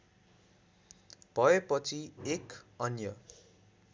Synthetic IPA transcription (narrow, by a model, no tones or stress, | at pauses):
b̥ʱʌepʌt͡sʰiekʌnjʌ